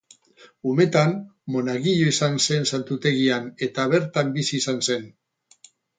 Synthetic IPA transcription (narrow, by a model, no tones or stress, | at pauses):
ume̞t̪anmo̞naɣiʎoisanse̞nsant̪ut̪e̞ɣiane̞t̪aβ̞e̞ɾt̪ambisiːsanse̞n